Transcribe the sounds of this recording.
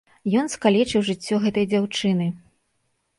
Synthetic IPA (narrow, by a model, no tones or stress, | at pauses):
jɔnskalʲɛt͡ʂɨwʐɨt͡sʲːɔɣɛt̪ɐjd͡zʲawt͡ʂɨnɨ